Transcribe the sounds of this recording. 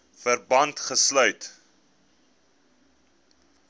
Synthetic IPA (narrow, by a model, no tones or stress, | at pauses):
fərbɐntχəslœɥt